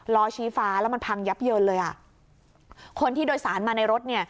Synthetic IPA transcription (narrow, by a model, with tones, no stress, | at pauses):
lɔː˧t͡ɕʰiː˦˥faː˦˥lɛː˦˥ma˧npʰa˧ŋja˦˥p̚jɤː˧nlɤː˧jʔa̰˨˩ | kʰo˧nt̪ʰiː˥˩doː˧jsaː˩˦nmaː˧na˧jɾo˦˥t̪̚ni˥˩ɐ